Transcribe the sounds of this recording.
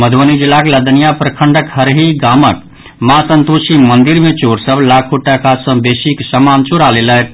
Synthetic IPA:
məd̪ʱʋənid͡ʒilːakeləd̪ənijapɾəkʰəɳɖəkɦəɾɦiɡamək | masənt̪usimənd̪iɾmet͡ʃoɾsəblakʰuʈːakasə̃besiksəmant͡ʃuɾalelək

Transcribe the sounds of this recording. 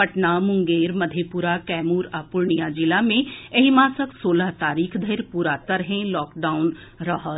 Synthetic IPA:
pɐʈnamʊ̃ŋɡeːɾmɐd̪ʱepuɾakɛːmuːɾaːpʊɾɳijad͡ʒɪlamẽɐɦimaːsəksoːləɦt̪aːɾiːkʰd̪ʱəɾpuːɾaːt̪əɾɦɛ̃lɔːkɖaːʊn | ɾɐɦət̪

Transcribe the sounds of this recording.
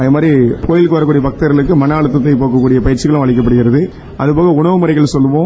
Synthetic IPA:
ɐðeːmaːd̪ɾipʰoːjɪlkːɯʋɐɾɐkːuːɽɪjɐbɐk̚t̪ɐɾɣɐɭɯkːɯmɐnaːɭɯt̪̬ːɐt̪ːɐɪpoːkːɐkːuːɽɪjɐpɐjɪɾt͡ʃɪɣɐɭʊ̃ʋɐɭɪk̬ːɐp̬ːɐɽɯɣɪɾɐðɯ | ʔɐðɯpoːɣɐʊɳɐʋɯmɯɾɐɛɪɣɐɭsɔlːɯʋõː

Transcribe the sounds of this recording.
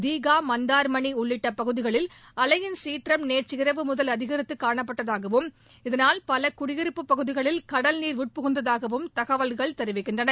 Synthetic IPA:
d̪iːɣaːmɐnd̪aːɾmɐɳiʊɭːɪʈːɐpːɐɣɯðɪɣɐɭɪl | ɐlɐjɪnsiːʈrɐmneːʈt͡ʃɪɪɾɐʋɯmʊðɐlɐðɪɣɐɾɪt̪ːɯkːaːɳɐpːɐʈːɐðaːɣɐʋɯm | ɪðɐnaːlpɐlɐkʊɽɪɣɪɾɯpːɯpːɐɣɯðɪɣɐɭɪlkɐɽɐlniːɾʋʊʈ̚pʊɣɯnd̪ɐðaːɣɐʋɯmt̪ɐɣɐʋɐlɣɐɭt̪ɛɾɯʋɪkːɪndrɐnɐ

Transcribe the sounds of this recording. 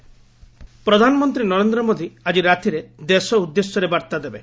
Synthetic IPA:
pɾɔd̪ʱanɔmɔnt̪ɾinɔɾend̪ɾɔmod̪iad͡ʒiɾat̪iɾed̪esɔud̪ːesjɔɾebaɾt̪ad̪ebe

